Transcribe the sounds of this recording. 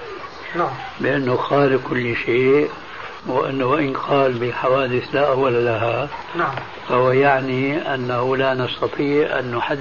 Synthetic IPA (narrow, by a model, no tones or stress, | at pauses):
bɪʔanːʊxaːlɪkʊlːʃeːʔ | wɪʔa̰nːwʔɪnqʰɑːlbɪħawaːd̪ɪθlaʔawːallaɦa | fahʊwajaʕniʔanːahʊlanɑst̪ɑt̪ˤʰiːʕʔa̰nːʊħad̪